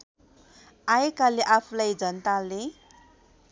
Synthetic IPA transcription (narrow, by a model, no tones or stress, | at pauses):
ajekaleʔapʰulajd͡zʌnt̪ale